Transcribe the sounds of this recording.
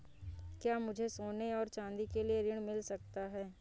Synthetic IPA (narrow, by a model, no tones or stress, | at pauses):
kjaːmʊd͡ʒʱesoːneɔːɾt͡ʃãːnd̪ikelieɾɪɽ̃mɪlsɐk̚t̪aɦɛː